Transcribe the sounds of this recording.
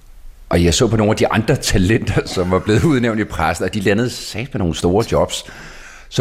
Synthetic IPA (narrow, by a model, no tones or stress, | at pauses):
ʔɒ̽jɑ̈ɪsɔ̰ːpʰɒ̽no̝ːnæd̥iʔɑ̈nd̥ʁɐt͡sʰælen̰d̥ɐsɒ̽mʋɑ̈b̥le̝ːð̩ˠuðˠneʊndipʰʁasn̩ɒ̽d̥ilænəð̞̩ˠsɛ̰ːd̥meno̝ːn̩sd̥o̝ːɐd̥jɒ̽b̥s | sɒ